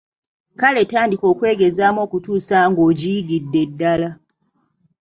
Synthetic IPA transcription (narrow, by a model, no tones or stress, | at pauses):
kale̞taːndiko̞ːkwe̞ːɡe̞zaːmo̞ːkutuːsaŋɡo̞ːɟiiɡidːe̞dːala